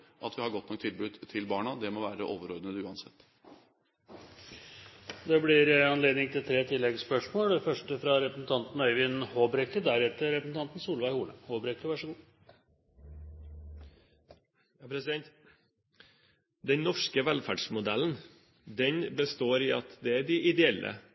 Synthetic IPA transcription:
ʔɑt̪ʋɪhɑɡɔt̪ːnɔk̚t̪ʰɪlbʉd̪t̪ʰːɪlbɑːɳɑd̪ɛmɔʋæːɾə̰ʔoːʋəɾoːd̪ənəd̪ʉːɑnsɛt̪ː | d̪ɛblɪɾɑnleːd̪nɪŋt̪ʰɪlt̪ʰɾeːt̪ʰɪlːɛɡspœʂmoːlɛfœʂʈəfɾɑɾɛpɾəsn̩t̪ʰɑnt̪n̩œʏʋɪnhoːbɾɛkəd̪æɾɛt̪ːəɾɛpɾəsn̩t̪ɑnt̪n̩suːlʋæɪhuːləhoːbɾɛkəʋɑʂəɡuː | jɑpʰɾɛsɪd̪ɛnt̪ | d̪ɛnnɔʂkəʋɛlfæɖʂmʊd̪ɛln | d̪ɛnbəst̪oːɾɪɑt̪d̪ɛæɖɪʔɪd̪ɛɛlːə̰

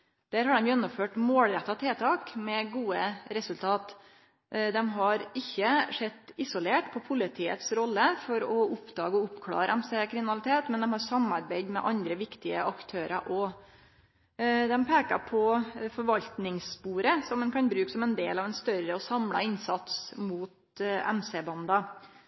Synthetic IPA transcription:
d̪̥æːɾhɑɖɛmjʊjɛnːʊmføːʈmoːlɾɛt̪ːɑt̪ʰeːt̪ʰɑːkmɛɡuːəɾɛsʉlt̪ʰɑːt̪ | d̪ɛmɦɑɾɪçːəʂɛt̪ːɪsʊleːʈpʰɔpʰʊlɪt̪ʰiːə̰t̪sɾɔlːəfɔɾɔʊpd̪ɑːɡəɔʊpkʰlɑ̰ːɾəʔɛmsekʰɾɪmɪnɑlɪt̪ʰeːt̪mɛnd̪ɛmhɑɾsɑmɑɾbæɪd̪mɛ̰ʔɑnd̪ɾəʋɪkt̪ɪəʔɑkt̪ʰøːɾəʔɔ | d̪ɛmpʰeːkɑ̰pʰɔfɔɾʋɑlt̪nɪŋspuːɾəsɔmɛnkʰɑnbɾʉːkə̥sɔmɛnd̪eːlɑʋɛnst̪œɾəɔsɑmlɑ̰ɪnsɑt̪smuːt̪ | æ̰mseːbɑnd̪ɑ

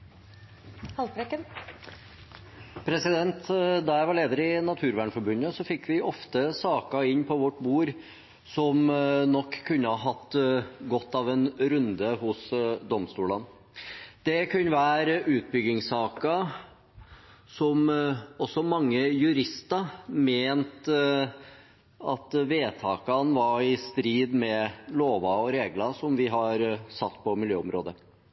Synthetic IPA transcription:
hɑlɾɛkːən | pʰɾɛsɪd̪ɛnt̪d̪ɑjæɪʋɑɾɭeːd̪əɾɪnɑt̪ʰʉːɾʋæːɳfɔɾbʉnəsɔfɪkːʋɪʔɔft̪əsɑːkɑɪnːpʰɔʋɔʈːbuːɾ | sɔmnɔkʰːʉnːəhɑɦɑt̪ːɡɔt̪ːɑʋɛnɾʉnd̪əhʊsd̪ɔmst̪uːlɑn | d̪̥ɛkʰʉnʋæːɾʉːt̪̚bʏɡɪŋsɑːkɑ | sɔmɔsːɔmɑŋːəjʉɾɪst̪ɑmeːnt̪ | ɑt̪ʋeːt̪ʰɑːkɑnʋɑɾɪst̪ɾiːd̪mɛloːʋɑɔɾeːɡlɑsɔmʋɪɦɑɾsɑt̪ːpʰɔmɪljø̰ːɔmɾo̰ːd̪ə

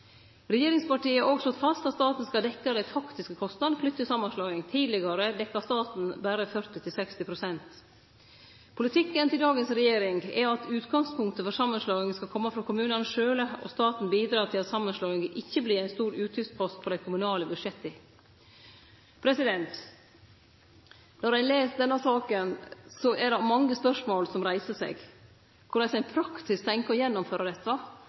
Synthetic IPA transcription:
ɾɛjeːɾɪŋspɑʈiːəʔoːɡslɔt̪fɑst̪ɑt̪st̪ɑːt̪n̩skɑld̪ɛkːəd̪æɪfɑkt̪ɪskəkʰɔst̪nɑd̪flʏt̪ːəsɑmːɑnslɑɪŋt̪ʰiːd̪lɪɡɑɾəd̪ɛkːɑst̪ɑːt̪n̩bæɾəfœɾt̪ɪt̪ʰɪlsɛkst̪ɪpʰɾʊsɛnt̪ | pʰʊlɪt̪ʰɪkːənt̪ʰɪld̪ɑːɡənsɾɛjeːɾɪŋɡɛɾɑt̪ʉːt̪ɡɑŋspʰʊŋkt̪əfɔɾsɑmːənslɑːɪŋəskɑlkʰɔmːəfɾɑkʰʊmʉːnɑnəʂøːləɔ̰st̪ɑːt̪n̩biːd̪ɾɑːt̪ʰɪlɑt̪sɑmːənslɑːɪŋəʔɪçːəbliːæɪnst̪uːɾʉːt̪ʰʏfspʰɔst̪̚pʰɔd̪æɪkʰʊmʉnɑːləbʉʂɛt̪ːɪ | pʰɾɛsɪd̪ɛnt̪ | nɔɾæɪleːsd̪ɛnːɑsɑːkənsɔʔɛɖɛmɑŋːəspœʂmoːlsɔmɾæɪsəsɛ̰ɡ | kʰʊɖæɪsæɪpʰɾɑkt̪ɪskt̪ʰɛŋkəjɛnːɔmføːɾəd̪ɛt̪ːʋɑ

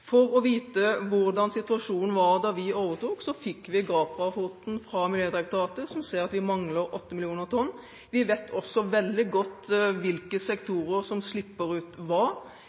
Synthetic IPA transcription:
fɔɾɔʋiːt̪əʋʊɾd̪ɑnsɪt̪ʉɑʂuːnn̩ʋɑɾd̪ɑʋɪoːʋəʁt̪uːksɔfɪkːʋɪɡɾɑːpɑhuːt̪n̩fɾɑmɪljøːd̪ɾɛkt̪ɑʁɑːt̪əsɔmseːɾɑt̪ʋɪmɑŋləɾʔɔt̪ːəmɪlɪuːnəʁt̪ʰɔnː | ʋɪʋɛt̪ʰɔsːɔʋɛld̪ɪɡɔt̪ːʋɪlkəsɛkt̪ʰuːɾəɾsɔmslɪpːəɾʉːt̪ʋɑɾ

